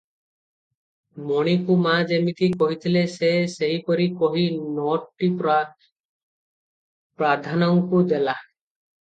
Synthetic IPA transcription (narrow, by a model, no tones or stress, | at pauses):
mɔɽ̃ikumad͡ʒemit̪ʰikɔɦit̪ʰileseseɦikɔɾikɔɦinɔʈːi | pɾad̪ʱanɔŋkud̪ela